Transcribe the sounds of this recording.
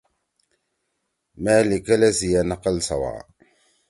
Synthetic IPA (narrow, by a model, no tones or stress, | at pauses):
malikalazijanaqalsa̰wa̰